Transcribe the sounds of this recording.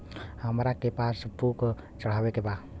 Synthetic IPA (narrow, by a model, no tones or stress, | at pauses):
aməɾakepasəbukə | t͡ʃəɾawekepa